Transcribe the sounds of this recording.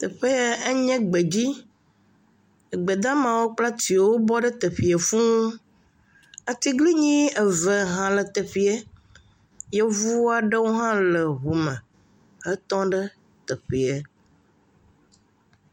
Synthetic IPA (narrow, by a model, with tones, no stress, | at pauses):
t̪ə˨ɸe˦e˦ɲɛ̃˦ɡ͡be˨d͡ʑi˦ | ə˨ɡ͡be˨d̪ã˦mã˨wo˦k͡pla˦t̪i˨wwo˦bɔ˦ɖə˦t̪ə˨ɸi˨e˨fũ˦u˦ | a˨t̪i˦ɡli˦ɲĩ˦ɛ˨və˨ɦã˨lə˨t̪ə˨ɸi˨ɛ˦ | jɛ˦vu˦a˨ɖə˦wo˦ɦã˦lə˨ɦu˨mə̃˨ | ə˦t̪ɔ̃˦ɖə˦ | t̪ə˨ɸi˨e˨